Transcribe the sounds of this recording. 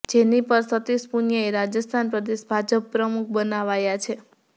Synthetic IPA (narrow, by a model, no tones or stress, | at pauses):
d͡ʒenipəɾsət̪ispunjəeɾad͡ʒəst̪ʰanpɾəd̪eʃbʱad͡ʒəpːɾəmuk̚ʰbənaʋajat͡ʃʰe